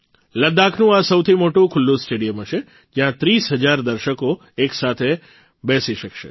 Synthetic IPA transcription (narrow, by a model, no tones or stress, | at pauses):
ləd̪akʰnũasəwt̪ʰimoʈũkʰʊlːũsʈeɽijəmɦəʃe | d͡ʒjãt̪ɾisɦəd͡ʒaɾd̪əɾʃəko | eksat̪ʰe | bɛsiʃəkʃḛ